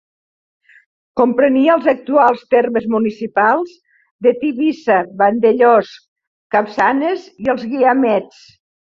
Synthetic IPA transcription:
kompɾəniəlˠzək̚t̪ualˠst̪erməzmunisipalˠz | d̪ət̪iβisaβand̪eʎɔs | kapsaneziəlˠzɣiamɛt͡s

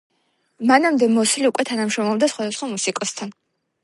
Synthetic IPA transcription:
manamd̪ɛmɔsliukʼwɛt̪ʰanamʃɾɔmlɔbd̪asχwad̪asχwamusikʼɔst̪ʰan

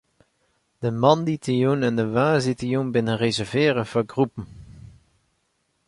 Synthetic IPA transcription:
d̥əmɑnditijunɛndəʋaːzitijunbɪnənrezɛɹvɪːrəvɔɡrupən

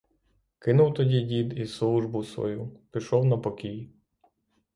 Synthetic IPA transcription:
kɪnʊwt̪ɔdʲidʲid̪islˠuʒbʊsʋɔ̰jupʲiʃɔwnɐpɔkʲij

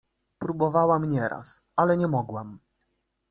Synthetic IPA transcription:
pɾubɔvawamɲɛɾʔa̰s | alɛɲɛmɔɡwam

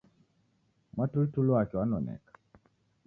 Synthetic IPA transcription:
matultulwakɔanɔnɛ̰k

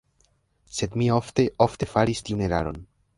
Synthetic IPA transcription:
se̞dmio̞fte̞ʔo̞fte̞faɾistiune̞ɾa̰ɾo̞̰n

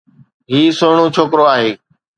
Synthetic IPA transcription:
ɦiːsoːɳ̃õːt͡ʃʰoːkɾoːaːɦeː

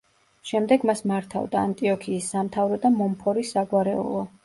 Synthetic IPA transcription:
ʃɛmd̪ɛɡmasmaɾt̪ʰa̰vd̪aːnt̪ʼiɔkʰiːsːamt̪ʰavɾɔd̪amɔmpʰɔɾisːaɡwaɾɛ̰ɔ̰lˠɔ

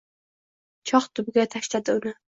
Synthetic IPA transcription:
t͡ʃʰɒχt̪ʰʊbɡʲat̪ʰaʃlad̪ɪʊnɪ

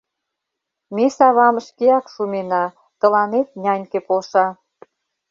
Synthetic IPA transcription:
mesɑβɑməʃkeɑkʃumenɑ | t̪ə̆lɑnet̪̚nʲɑnʲkepolʃɑ

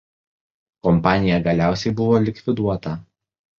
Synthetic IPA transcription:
kɔmpɑːnʲɪjɛɡɐlʲæˑʊsʲɛɪbʊʋoːlʲɪkʲʋʲɪd̪uɔt̪ɐ

